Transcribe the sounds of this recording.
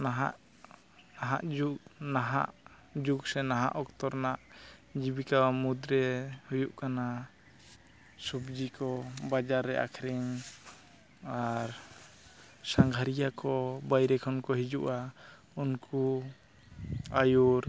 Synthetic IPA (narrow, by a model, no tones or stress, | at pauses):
naɦaʔ | aɦaʔd͡ʒuknaɦa̰ʔ | d͡ʒuksɛnaɦa̰ʔɔkt̪ɔɾnaʔd͡ʒibikawmud̪ɾɛhujuʔkana | subd͡ʒikɔbad͡ʒaɾːɛʔa̰kʰɾɛŋ | aɾ | saŋɡʱaɾijakɔbajɾɛkʰɔnkɔɦid͡ʒuʔa | unku | ajuɾ